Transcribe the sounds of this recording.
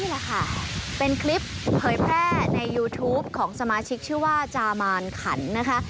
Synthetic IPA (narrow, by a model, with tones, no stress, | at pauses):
niː˥˩lɛː˨˩kʰa˥˩pe˧nkʰli˦˥pʰːɤː˩˦jpʰɾɛː˥˩˥na˧jːuː˧t̪ʰuː˦˥p̚kʰɔː˩˦ŋsa˧maː˧t͡ɕʰi˦˥k̚t͡ɕʰɯː˥˩waː˥˩t͡ɕaː˧maː˧nkʰa˩˦nːa˦˥kʰa˦˥ʔ